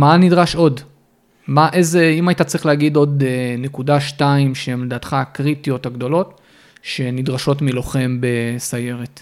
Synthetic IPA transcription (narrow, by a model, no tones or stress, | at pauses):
manidʁaʃo̞d | maʔezeimaitat͡sʁiχleaɡido̞denekudaʃtaimʃeemledaːt̪χakʁitijo̞taɡdo̞lo̞t | ʃe̞nidʁaʃo̞tmiloχe̞mbe̞saje̞ʁet